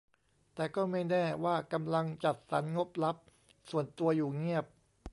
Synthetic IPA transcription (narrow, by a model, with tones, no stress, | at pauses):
t̪ɛː˨˩kɔː˥˩ma˥˩jnɛː˥˩waː˥˩ka˧mla˧ŋt͡ɕa˨˩t̪̚sa˩˦nŋo˦˥p̚la˦˥p̚ | su˨˩ənt̪u˧ɐjuː˨˩ŋi˥˩əp̚